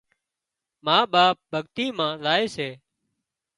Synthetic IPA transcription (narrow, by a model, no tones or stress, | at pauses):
maːɓaːp̚bʱəɠt̪iːmãːlaːeːseː